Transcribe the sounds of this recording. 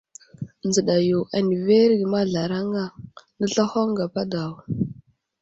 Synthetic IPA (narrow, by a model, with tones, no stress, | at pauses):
nd͡zə˨ɗa˨jo˨ʔa˨ni˨ve˦ɾɡi˨ma˦ɮa˨ɾa˦ŋa˦nə˦ɬa˦ho˦ŋɡa˨pa˦da˨w